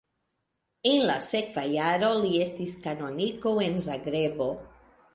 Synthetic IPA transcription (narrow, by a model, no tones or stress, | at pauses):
enlasekvajaɾo̞liest̪iskano̞nikowenzaɡɾebo̞